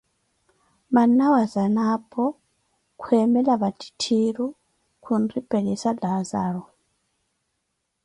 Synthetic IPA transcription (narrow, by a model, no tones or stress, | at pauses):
manawazanapʰɔ | kʰweːmɛlaβati̥tʰiɾu | kʰunripɛlɛsalazaɺɔ